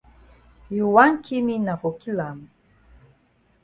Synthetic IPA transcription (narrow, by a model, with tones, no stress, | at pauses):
ju˨wa˦nkʰi˦mi˦na˨fo˨ki˦la˨m